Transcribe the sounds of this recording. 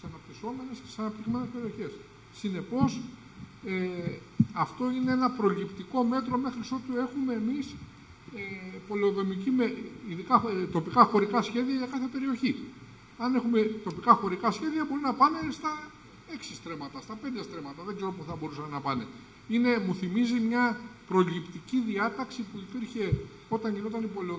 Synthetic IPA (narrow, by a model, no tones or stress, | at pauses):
sɐnɐp̚t̪iso̞me̞ne̞ssɐnɐpt̪ixme̞nespe̞ɾio̞çe̞sː | ine̞po̞s | e | ɐft̪o̞ineenɐpɾo̞lipt̪iko̞me̞t̪ɾo̞me̞xɾiso̞t̪ue̞xume̞ːmis | epo̞leoðo̞micimeiðikɐt̪o̞pikɐxo̞ɾikɐsçe̞ðiɐʝɐkɐθe̞pe̞ɾio̞çi | ɐne̞xume̞t̪o̞pikɐxo̞ɾikɐsçe̞ðiɐbo̞ɾinɐpɐne̞st̪ɐ | e̞ksi̥st̪ɾe̞mɐt̪ɐst̪ɐpend̪est̪ɾe̞mɐt̪ɐðeɡze̞ɾo̞pusθɐbo̞ɾusɐnenɐpɐne̞ | ine̞muθimizimɲɐpɾo̞lipt̪iciðiɐt̪ɐksipuipiɾçe̞ | o̞t̪ɐɲʝino̞t̪ɐnipo̞leo